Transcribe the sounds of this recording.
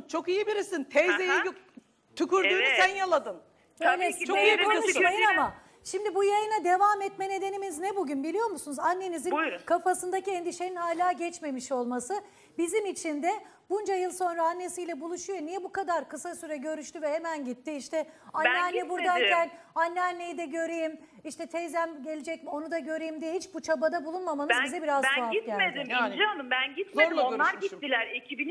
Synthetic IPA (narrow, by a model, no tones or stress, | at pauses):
t͡ʃʰo̞kijibiɾisint̪ʰejzejij | t̪ʰukuɾd̪uːnusænjalˠad̪ɯn | øːjlʲɛsuʃmajɯnama | ʃimd̪ibujajɯnad̪e̞vamɛt̪mɛne̞d̪e̞nimiznɛbuɟynbilʲijo̞ɾmusunuzanːe̞nizinkʰafasɯnd̪aciend̪iʃeninhaːlʲaːɟɛt͡ʃme̞miʃo̞lˠmasɯ | bizimit͡ʃʰind̪ɛ | bund͡ʒajɯlˠso̞nɾaːnːe̞sijlʲɛbulˠuʃujo̞nijɛbukad̪aɾkʰɯsasyɾɛɟø̞ɾyʃt̪yvɛhe̞mænɟit̪ːiiʃt̪ʰɛanːɛanːɛbuɾd̪ankæn | anːɛanːejid̪ɛɟø̞ɾejim | iʃt̪ʰɛt̪ʰejzæmɟe̞lʲed͡ʒɛc̚mo̞nud̪aɟø̞ɾejimd̪ijɛɦit͡ʃbut͡ʃʰabad̪abulˠunmamanɯzbizɛbiɾazajamed̪iananɯmbænɟit̪eonlˠaɾɟiːilʲæɾecʰibini